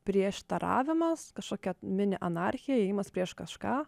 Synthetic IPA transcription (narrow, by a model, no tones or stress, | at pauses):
pʲɾʲiɛʃt̪ɐɾɑ̰ːʋʲɪmɐskɐʃkoːkʲɛmʲɪnʲɪʔɐnɑɾʲxʲɪjɛɛɪmɐspʲɾʲiɛʃkɐʃkɑː